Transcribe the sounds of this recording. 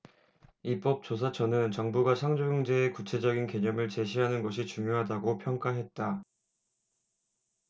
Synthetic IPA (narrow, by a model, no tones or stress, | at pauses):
ip͈ʌp̚t͡ɕ͈os̬ʰat͡ɕʰʌnɯnt͡ɕʌŋbuɡaɕʰaŋd͡ʑojʌŋd͡ʑe̞ːkut͡ɕʰe̞d͡ʑʌɡinke̞ɲʌmɯɭt͡ɕe̞ɕʰiɦanɯnɡʌɕ̬ʰit͡ɕuŋjoɦadaɡopʰjʌŋk͈aɦe̞t̚t͈a